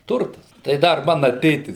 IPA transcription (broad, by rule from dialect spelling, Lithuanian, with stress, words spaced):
ˈtʊrtɐs tɐɪ ˈdɐr ˈmɑːnɐ ˈtʲeːtʲɪs